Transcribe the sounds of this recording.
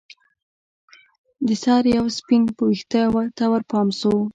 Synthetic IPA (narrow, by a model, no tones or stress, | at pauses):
d̪əsɑɾjawspinpəwixt̪awat̪awaɾpɑmsow